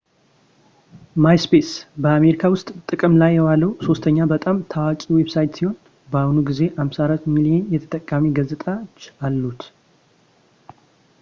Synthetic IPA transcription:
majspe̞sbəame̞ɾikʰawʊst̪ʼt̪ʼɨkʼɨmlajːɛwaləwso̞st̪ʰəɲːabət̪ʼamt̪ʰawat͡ʃʼiwe̞bsajt̪siho̞n | bəahnuɡize̞hamsaɾat̪milijenjɛt̪ʰə̥t̪ʼəkʼːamiɡəzɨt̪ʼat͡ʃːalːut̪

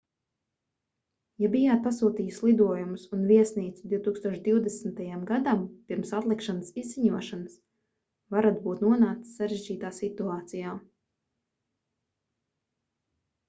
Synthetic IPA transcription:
jabijaːt̪̚pasuːt̪iːjuslˠid̪uɔjumusunviɛsniːt̪sud̪iwt̪uːkst̪uɔʃd̪iwd̪ɛsn̩t̪ajamɡad̪ampiɾmsat̪lˠikʃanəsizːiɲuɔʃans | vaɾat̪̚buːt̪nuɔnaːkt̪sːaɾeʒd͡ʒiːt̪aːsit̪uaːt̪sijaː

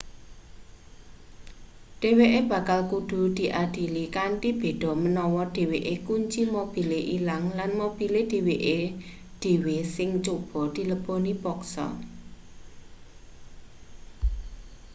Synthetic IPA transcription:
ɖ̥e̤weʔeb̥ä̤kalkuɖ̥ṳd̪̥i̤ʔad̪̥i̤likaɳʈib̥e̤d̪̥ɔ̤mənɔwɔɖ̥e̤weʔekuɲt͡ʃimob̥i̤leʔilaŋlanmob̥i̤led̪̥e̤weʔe | ɖ̥e̤wesɪŋt͡ʃob̥ɔ̤d̪̥i̤ləb̥ɔnib̥ɔksɔ̰

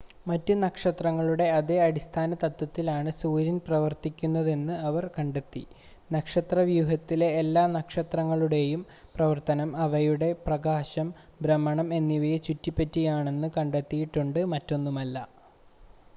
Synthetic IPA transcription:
mɐtːunɐkʂɐt̪rɐŋːɐɭuɽe̞ɐðeɐɽist̪ʰaːnɐt̪ɐt̪ːwɐt̪ːilaːɳɨsuːɾinprɐʋɐrt̪ikʲːunːɐðe̞nːɨɐʋɐrkɐɳɖet̪ːḭ | nɐkʂɐt̪rɐʋjuːɦɐt̪ːile̞ːlːaːnɐkʂɐt̪rɐŋːɐɭuɽe̞jum | prɐʋɐrt̪ɐnɐmɐʋɐjuɽe̞prɐɡaːɕɐm | bɾɐmːɐɳɐme̞nːiʋɐjet͡ɕutːipːetːijaːɳe̞nːɨkɐɳɖet̪ːijiʈːuɳɖɨmɐtːo̞nːumɐlːɐ

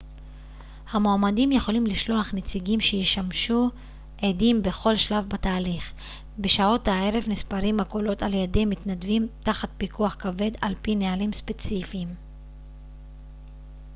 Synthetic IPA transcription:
hamoamadimjeχo̞limliʃlo̞aχnet͡siɡimʃejeʃamʃu | ʔedimbe̞χo̞lʃlavbataːliχ | be̞ʃao̞tae̞ʁe̞vnispaʁimhakolo̞taljademitnadvimtaχat̚bikuaχkave̞d̪alpinealimspe̞t͡sifim

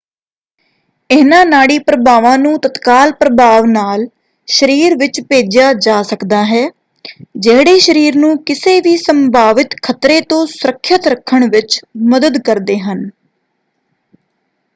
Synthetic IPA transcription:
ɪːnãːnaːɽiːpɾəbaːʋãːnũːt̪ət̪kaːlpɾəbaːʋnaːl | ʃəɾiːɾʋɪt͡ʃpeːd͡ʒjaːd͡ʒaːsəkd̪aːɦɛː | d͡ʒeːɽeːʃəɾiːɾnũːkɪseːʋiːsəmbʱaːʋɪt̪kʰət̪ɾeːt̪õːsʊɾəkʰːət̪ɾəkʰːəɳʋɪt͡ʃməd̪əd̪kəɾd̪eːɦən

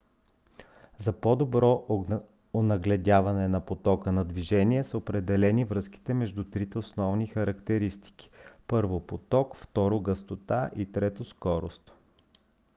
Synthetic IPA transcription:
zɐpɔd̪obɾɔ | onɐɡlɛd̪ʲavɐnɛnɐpot̪ɔkənɐd̪viʒɛnʲiɛsəopɾɛd̪ɛlɛnivɾɤsk̟i̥t̪ɛmɛʒd̪ut̪ɾit̪ɛosnɔvnixɐɾɐkt̪ɛɾist̪i̥k̟i̥pɤɾvopot̪ɔkft̪ɔɾoɡəst̪ot̪aʔit̪ɾɛt̪oskɔɾost̪

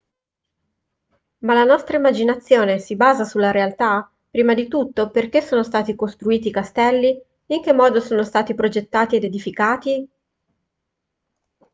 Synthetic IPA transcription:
malːanɔst̪ɾaimːad͡ʒinat̪sːjoːnesibaːzasulːaɾealt̪a | pːɾiːmad̪it̪ut̪ːoperk̟esːoːnost̪aːt̪ikost̪ɾuiːt̪̬ikast̪ɛlːiː | ŋk̟emːɔːd̪osoːnost̪aːt̪ipɾod͡ʒet̪ːaːt̪ied̪ed̪ifikaːt̪i

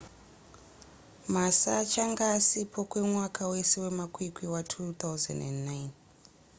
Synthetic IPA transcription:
masat͡ʃaŋɡaːsipʰokwe̞mwakʰawe̞se̞we̞makʰwikwiwatʰut̪auzḛndḛndːajn

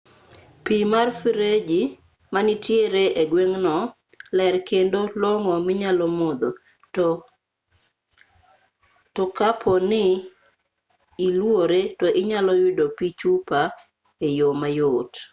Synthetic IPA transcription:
pimarfiɾed͡ʒi | manɪtjeɾeʔeɡweŋnɔ | lɛrkendoloŋɔmɪɲalɔmod̪o | tokapʰɔnɪ | lwoɾetɔʔɪɲalɔjʊdopit͡ʃupa | ejomajot

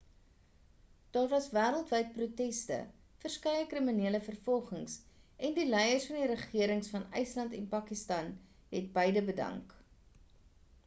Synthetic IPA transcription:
d̥ɑːrvɐsvæːɾəlˠtvəjt̚prutɛstə̰ | fərskɛjəkriminiələfərfɔlˠχəŋsɛndilɛjərsfɐndiɾəχiəɾəŋsfɐnə̰jslɐntɛnpɐkistɐn | ɦɛt̚bəjdəbədɐ̰ŋk

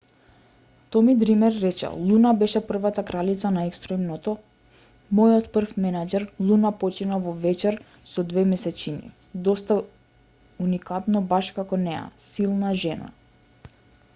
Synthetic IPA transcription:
t̪ɔmid̪ɾimɛɾːɛt͡ʃɛ̰lˠunabɛʃɛpr̩vat̪akɾalit̪sanaɛkst̪ɾɔimnɔt̪ɔ | mɔjɔt̪pr̩fmɛnad͡ʒɛɾlˠunapɔt͡ʃinavɔvɛt͡ʃɛɾ | sɔd̪vɛmɛsɛt͡ʃinḭ | d̪ɔst̪a | unikat̪nɔbaʃkakɔnɛja̰silˠnaʒɛna̰

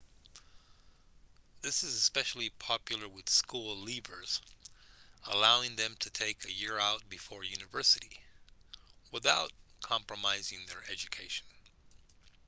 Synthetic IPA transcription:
ðɪsɨzɨspɛʃl̩ˠipʰɑpjl̩ˠə˞wɨð̥skulˠlibə˞z̥ | əlaʊɪ̃ŋðɨ̃mtʰɨtʰeɪkɨjɪɹaʊt̚b̥ɨfɔɹjʉnɨvɜ˞sɨɾi | wəθaʊt̚kʰɑ̃mpɹɨmaɪzɪ̃ŋðə˞ɛd͡ʒɨkʰeɪʃn̩

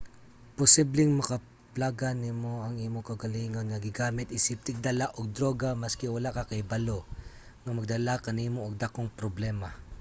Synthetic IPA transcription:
posiblɪŋmɐkɐ | plaɡɐnimoɐŋimokɐʊɡɐliːŋonŋɐɡɪɡaːmɪt̪ʔisɪp̚t̪ɪɡ̚d̪ɐlaʔoɡ̚d̪ɾoːɡamɐskɛwɐlakɐkɐjbɐlo | ŋɐmɐɡ̚d̪ɐlakɐnimoʔoɡ̚d̪akoŋpɾoblɛːmɐ

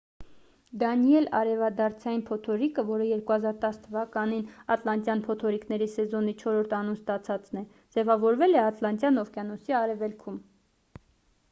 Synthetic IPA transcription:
d̪ɑniɛlɑ̰ɾɛvɑd̪ɑɾt͡sʰɑjinpʰɔt̪ʰɔɾikəvɔɾəjɛɾkuhɑzɑɾt̪ɑst̪ʰəvɑkɑninɑt̪lɑnt̪jɑnpʰɔt̪ʰɔɾiknɛɾisɛzɔnit͡ʃʰɔɾɔɾt̪ʰɑnunst̪ɑt͡sʰɑt͡snɛ | d͡zɛvɑvɔɾvɛlɛɑt̪lɑnt̪jɑnɔvkjɑnɔsiɑɾɛvɛlkʰum

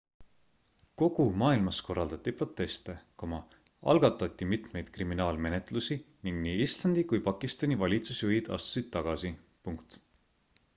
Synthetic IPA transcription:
ko̞ɡ̥umɑːilmɑsko̞rːɑld̪̥ɑt̪ʲˑːipro̞t̪ːˑe̞st̪e̞komɑ | ɑ̰lɡ̥ɑt̪ːˑɑt̪ʲːˑimit̪ˑme̞jd̪̥kriminɑːlme̞net̪ˑlusi | niŋɡ̥niːislɑnd̪̥ikujpɑkːˑist̪ɑnʲivɑlʲit̪susjujid̪ɑ̰st̪u̥sid̪̥̚t̪ːɑɡ̥ɑsi | puŋkt̪

